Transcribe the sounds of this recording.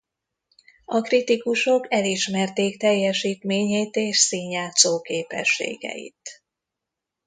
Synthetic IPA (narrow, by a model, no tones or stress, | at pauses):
ɒkrit̪ikuʃo̞kɛliʃmɛrt̪eːkt̪ɛjːɛʃiːt̪meːɲeːt̪eːʃsiːɲjaːt̪soːkeːpɛ̰ʃːḛːɡɛ̰jḭt̪